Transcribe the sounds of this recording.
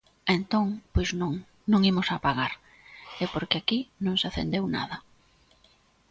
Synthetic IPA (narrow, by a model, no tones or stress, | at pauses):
ẽnt̪õŋpojznõŋ | nõŋimosapaɣaɾ | ɛpoɾkeakinõŋsaθḛnd̪ewna̰ð̞ɐ